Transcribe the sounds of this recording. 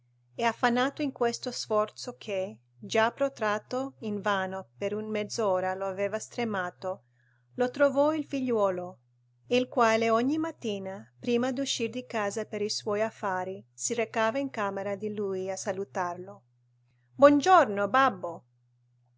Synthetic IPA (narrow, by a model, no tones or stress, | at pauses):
ɛafːanːaːt̪oiŋkwest̪osfɔrt̪sokʰe | d͡ʒapːɾot̪ɾaːt̪oinvaːnopeɾunmɛd̪zɔːɾaloaveːvast̪ɾemaːt̪o | lot̪ɾovɔilfiʎːwɔːlo | ilkwaːleoɲːimat̪ːiːnapɾiːmad̪uʃːird̪ikaːzapeɾiswɔjafːaːɾisiɾekaːvaiŋkaːmeɾad̪ilujasalut̪arlo | bwɔnd͡ʒornobabːo